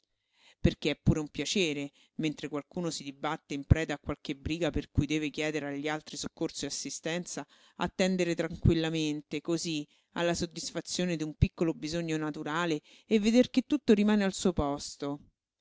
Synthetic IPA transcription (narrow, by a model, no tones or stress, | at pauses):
perk̟eɛpːuːɾeumpjat͡ʃeːɾe | ment̪ɾekwalkuːnosid̪ibat̪ːeimpɾɛːd̪akːwalk̟ebɾiːɡaperkujd̪ɛːvekjɛːd̪eɾeaʎːialt̪ɾisokːort̪siasːist̪ɛnt̪sa | a̰t̪ːɛnd̪eɾet̪ɾaŋkwilːament̪ekozi | a̰lːasod̪ːisfat̪sːjoːned̪iumpikːolobizoɲːonat̪uɾaːle | evːed̪erket̪ːut̪ːoɾimaːnealsuːopɔst̪o